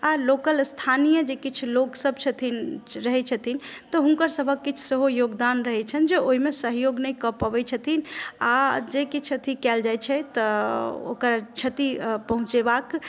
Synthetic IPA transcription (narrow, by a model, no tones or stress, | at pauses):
alokəlst̪ʰanijəd͡ʒekit͡ʃʰuloksəbt͡ʃʰət̪ʰinɾəɦɛt͡ʃʰət̪ʰint̪ɔɦuŋkəɾsəbʱəkːit͡ʃʰseɦojoɡd̪anɾəɦɛt͡ʃʰənd͡ʒeʔoɦimesəɦjoɡnɛjkəpəbɛt͡ʃʰət̪ʰinad͡ʒekit͡ʃʰət̪ʰikɛld͡ʒajt͡ʃʰɛt̪ɔo̰kəɾt͡ʃʰət̪ipəɦũt͡ʃebak